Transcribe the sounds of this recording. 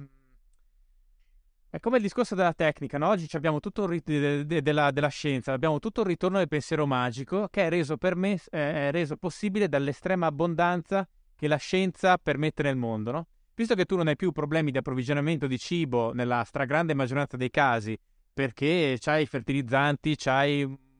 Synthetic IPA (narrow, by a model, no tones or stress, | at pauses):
ɛkːomeld̪iskorsod̪elat̪ɛkːnikanɔɔd͡ʒːit͡ʃiabːjaːmot̪ut̪ːorid̪elːad̪elːaʃɛnt̪saːbːjaːmot̪ut̪ːourit̪ornod̪elpensjɛːɾomaːd͡ʒikokeɛreːzopermerːeːzoposːiːbiled̪alːest̪ɾɛːmaːbːond̪ant̪sa | kelaʃɛnt̪sapermet̪ːenelmond̪onɔ | vis̬t̪oket̪ːunːonajpjupːɾoblɛːmid̪iapːɾovid͡ʒonament̪od̪it͡ʃiːbonelːast̪ɾaɡɾand̪emad͡ʒːoɾant̪sad̪ejkaːzi | perket͡ʃajfert̪ilid̪zːant̪it͡ʃaj